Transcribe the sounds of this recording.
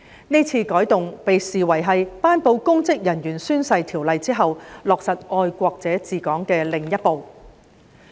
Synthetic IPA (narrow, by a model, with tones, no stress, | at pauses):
ni˥jt͡sʰiː˧kɔː˨˥jt̪ʊ˨ŋpe˨jsiː˨wɐ˨˩jɦɐ˨jpaː˥npo˨˧wkʊ˥ŋt͡sɪ˥k̚jɐ˨˩njyː˨˩nsyː˥nsɐ˧jt̪ʰiː˨˩wlɐ˨jt͡siː˥ɦɐ˨wlɔː˨k̚sɐ˨t̚ɔː˧jkʷɔː˧k̚t͡sɛː˨˥t͡siː˨kɔː˨˥ŋkɛː˧lɪ˨˩ŋjɐ˥t̚po˨w